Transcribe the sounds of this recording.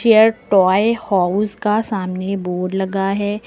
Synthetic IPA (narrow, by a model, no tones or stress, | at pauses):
eːəɾʈɔːehaːʊskasaːmneboːɖlɐɡaɦɛː